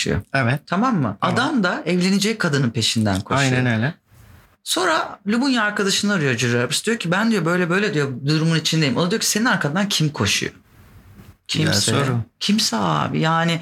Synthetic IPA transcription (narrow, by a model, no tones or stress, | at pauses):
ṵjo̰ɛvɛt̪t̪ʰamamːɯ̰ad̪amd̪aɛvlʲe̞ned͡ʒɛkʰad̪ɯnɯnpʰe̞ʃind̪æ̰nkʰoaʃjnɛnøjlɛ | so̞nɾalʲubunjaaɾkʰad̪aʃɯnaɾɯjo̞d͡ʒyɾɾaɾbiʃd̪ijocʰibænd̪ijo̞bø̞jlʲɛbø̞jlʲɛd̪ijo̞d̪uɾumunit͡ʃʰind̪ejimond̪ijocʰi̥se̞ninaɾkʰad̪ancʰimkʰo̞ʃṵjo̰ | cʰimsoɾcʰimsɛa̰ːbḭjaːnɪ